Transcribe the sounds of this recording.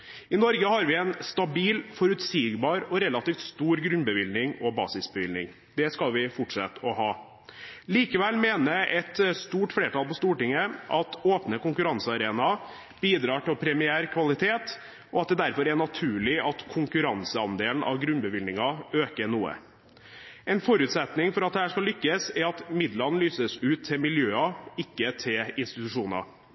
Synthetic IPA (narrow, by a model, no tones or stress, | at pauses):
ɪnɔɾɡəhɑɾʋɪɛnst̪ɑbiːlfɔɾʉt̪siːɡbɑːɾɔɾɛlɑt̪iːft̪st̪uːɾɡɾʉnbəʋɪlnɪŋɔbɑ̰ːsɪsbəʋɪlnɪ̰ŋ | d̪̥ɛskɑlʋɪfɔʈʂɑt̪ːɔhɑː | liːkəʋɛlmeːnəʔɛt̪st̪uːʈfleːʈɑːlpɔst̪uːʈɪŋːəʔɑt̪oːpnəkʊŋkʉɾɑnsəɑɾeːnɑ | b̥iːd̪ɾɑːʈɪlpʰɾɛmɪæːɾkʰʋɑlɪt̪ʰeːt̪ | ɔɑt̪̚d̪ɛd̪æɾfɔɾæɳɑt̪ʰʉːɭɪɑt̪kʰʊŋkʉɾɑnsəɑnd̪eːln̩ʔɑ̰ʋɡɾʉnbəʋɪlnɪŋɑøːkəɳuːə̰ | ɛɪnfɔɾʉːt̪sɛt̪nɪŋfɔɾɑt̪̚d̪ɛhæːʂkɑlʏkːəsɛɾɑt̪mɪd̪ləɾnlyːsəsʉːt̪ʰːɪlmɪljøːɑɪkːət̪ʰɪlɪnst̪ɪt̪ʉʂuːnɑ̰